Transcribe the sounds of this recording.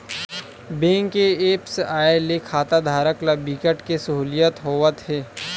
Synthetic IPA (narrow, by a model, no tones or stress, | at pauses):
bẽːŋkeeːpsaːelekʰaːt̪ad̪ʱaːɾəklabiːkəʈkesɐɦuːlijət̪ɦoːʋət̪ɦeː